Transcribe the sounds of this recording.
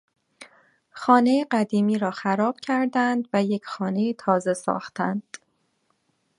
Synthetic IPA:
xɒːne̞jeɢæd̪iːmiːɾɒːxæɾɒːb̥cʰæɾd̪ænd̪væjecʰxɒːne̞iːt̪ʰɒːze̞sɒ̰ːxt̪ʰænd̪̥

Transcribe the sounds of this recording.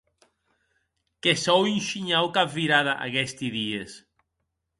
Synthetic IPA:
kesɔwinʃiɲawkapviɾaðaʔa̰ɣɛst̪iðies

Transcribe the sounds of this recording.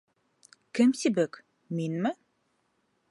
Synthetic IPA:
kɘmsibɘk | minmɘ

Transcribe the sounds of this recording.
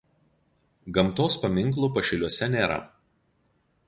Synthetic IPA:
ɡɐmˑt̪oːspɐmʲɪŋˑklˠuːpɐʃʲɪlʲuɔsʲɛnʲeːɾɐ̰

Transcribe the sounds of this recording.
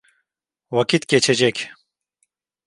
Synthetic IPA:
wɐkit̪kʲet͡ɕʰed͡ʑekʲ

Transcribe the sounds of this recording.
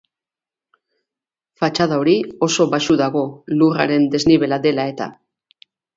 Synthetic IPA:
fat͡ʃaðaoɾio̞so̞βaʃuðaɣo̞lura̰ɾe̞nd̪e̞zniβ̞e̞lad̪e̞lae̞t̪a̰

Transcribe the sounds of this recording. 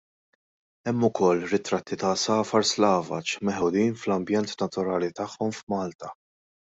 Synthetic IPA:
ɛmːʊkʰɔlːɾɪt̪ɾɐt̪ʰːit̪ɐsɐːfɐɾslɐːvɐ̰t͡ʃmɛħʊd̪iːnflɐmbjɛnt̪nɐt̪ʊɾɐːlit̪ɐħːɔmfmɐːlt̪ɐ

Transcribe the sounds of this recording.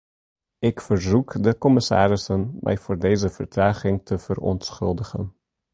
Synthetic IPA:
ɪkfəɹzukdəkɔmɪsa̰ːɾɪsənmʔɛ̰jvʊːɹdejzəv̥ərtraːχɪŋtʰəvərɔ̰ntsxɵ̰lˠdəχə̰n

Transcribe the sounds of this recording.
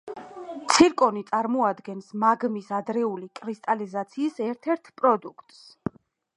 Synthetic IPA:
t̪sʰiɾkʼɔnit̪sʼaɾmɔad̪ɡɛnsmaɡmisad̪ɾɛulikʼɾist̪ʼalizat̪sʰiːsɛɾt̪ʰɛɾt̪ʰpʼɾɔd̪ukʰt̪ʼs

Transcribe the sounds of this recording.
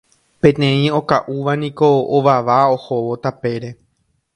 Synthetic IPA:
pẽ̞t̪ẽ̞ĩo̞kaʔuʋanĩko̞oʋaʋao̞hoʋo̞t̪ape̞ɾe̞

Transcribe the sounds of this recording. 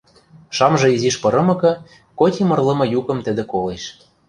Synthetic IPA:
ʃɑmʒɤ̆iziʃpɤ̆ɾɤ̆mɤ̆kɤ̆ | kotʲimɤ̆rlɤ̆mɤ̆jukɤ̆mt̪ə̆d̪ĕkoleʃ

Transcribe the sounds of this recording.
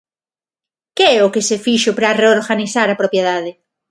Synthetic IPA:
keɛʊkɪsefiʃʊpɾɐreoɾɣaniθaɾapɾopjeðaðɪ

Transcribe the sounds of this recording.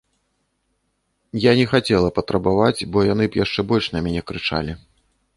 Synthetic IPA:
janʲɛxat͡sʲɛlˠɐpɐt̪ɾɐbavat͡sʲbɔjanɨbjaʂt͡ʂɛbɔlʲʂnɐmʲanʲɛkɾɨt͡ʂa̰lʲi

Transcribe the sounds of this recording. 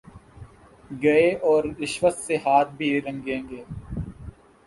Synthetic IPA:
ɡɐeɔːɾɪʃʋəsseɦaːt̪̚bʱiːɾɐ̃ŋɡẽːŋɡeː

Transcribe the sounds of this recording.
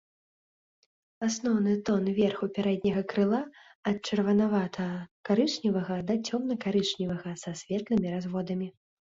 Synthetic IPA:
asnɔwnɨt̪ɔnvʲɛrxupʲaɾɛd̪ʲnʲɐɣɐkɾɨlˠa | ɐt̪̚t͡ʂɐrvɐnavat̪ʰɐkaɾɨʂnʲivɐɣɐd̪ɐt͡sʲɔmnɐkaɾɨʂnʲivɐɣɐsasʲvʲɛt̪lɨmʲiɾazvɔd̪ɐmʲi

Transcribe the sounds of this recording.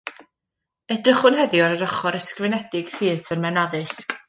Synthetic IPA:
ɛdrɪχʊnɦɛðɪaɾəɾɔχɔɾəskrɪnɛdɪɡ̥θɨːθənmɛnaðɨsk

